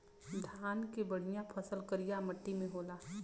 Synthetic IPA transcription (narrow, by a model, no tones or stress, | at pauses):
d̪ʱaːnkebɐɽ̤ijãpʰɐsəlkəɾijamɐʈːimẽɦoːlaː